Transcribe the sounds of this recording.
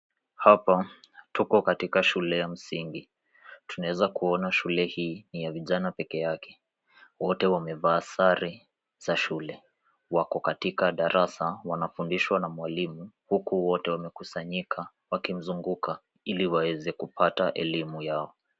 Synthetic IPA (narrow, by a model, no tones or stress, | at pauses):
hapatukɔkatikaʃulɛjam̩siŋɡi | tunawɛzakuɔnaʃulɛhiːnijaviʄanapɛkɛjakʰɛ̥ | wɔtɛwamɛvaːsaɾi | z̥aʃulɛ | wakɔkatikaɗaɾʔasawanafundiʃwanamwalimuhukuwɔtɛwamɛkusaɲikʰa | wakim̩zuŋɡuka | iliwawɛzɛkupʰataʔɛ̰limujaɔ